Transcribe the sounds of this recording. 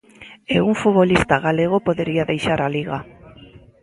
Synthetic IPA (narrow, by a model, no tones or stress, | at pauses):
euŋfuβolist̪aɣaleɣ̞opoðeɾiaðejʃaɾaliɣa